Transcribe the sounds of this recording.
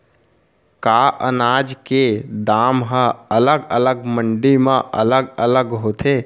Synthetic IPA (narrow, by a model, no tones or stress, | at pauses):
kaːʔə̰naːd͡ʒked̪aːmɦəələɡələɡməɳɖimãʔə̰ləɡələɡɦoːt̪ʰeː